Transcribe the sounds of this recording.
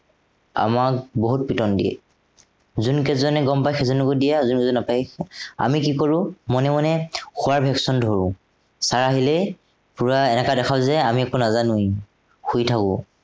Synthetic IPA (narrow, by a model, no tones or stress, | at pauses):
a̰makboɦut̚pitɔndḭɛ̰ | zunkɛzɔnɛɡɔmpajxɛzɔnukudijazunkɛzɔnnapaja̰mikikoɹʊ̃mɔnɛmɔnɛxʊwaɹbʱɛksɔndʱoɹʊ̃ | saɹaɦilɛ | puɹaɛnɛkadɛxʰaʊzɛamiɛkonazanuj | xujtʰakʊ̃